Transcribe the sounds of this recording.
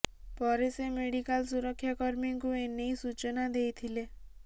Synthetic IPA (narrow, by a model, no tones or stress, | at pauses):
pɔɾesemeɽikalsuɾɔkʰːjakɔɾmiŋkuenːejsut͡ʃɔnad̪ejt̪ʰile